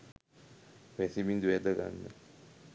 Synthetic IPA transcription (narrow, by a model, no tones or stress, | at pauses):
ʋɛsimind̪uad̪əɡa̰nːə